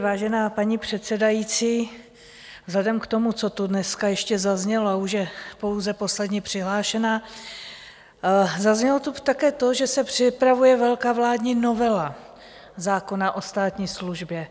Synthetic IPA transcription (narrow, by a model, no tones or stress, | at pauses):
vaːʒɛnaːpaɲiːpr̥ɛt̪t͡sɛdajit͡siː | vzɦlɛdɛmkt̪o̞mut͡so̞t̪udnɛskajɛʃcɛzazɲɛloauʃjɛpo̞wzɛpo̞slɛdɲiːpr̥ɪɦlaːʃɛnaː | zazɲɛlot̪ut̪akɛːt̪o̞ʒɛsɛpr̥ɪpɾavujɛvɛlkaːvlaːdɲino̞vɛla | zaːko̞naʔo̞st̪aːt̪ɲiːsluʒbjɛ